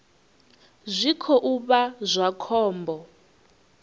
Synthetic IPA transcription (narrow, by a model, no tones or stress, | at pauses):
zʷikʰɔʔuβazʷakʰɔːmbɔ